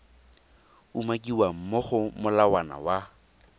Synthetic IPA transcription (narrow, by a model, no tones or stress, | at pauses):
umakʼiwam̩moχʊmʊlawana̰wa